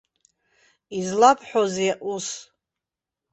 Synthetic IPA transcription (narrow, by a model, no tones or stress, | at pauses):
izlapʰʼħʷozeaʔus